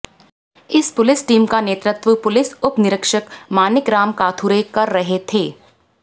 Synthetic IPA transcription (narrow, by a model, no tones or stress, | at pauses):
ɪspʊlɪsʈiːmkaneːt̪ɾɪt̪ʋəpʊlɪsʊpnɪɾəkʃəkmaːnɪkɾaːmkaːt̪ʰuːɾekɐɾːɐɦet̪ʰeː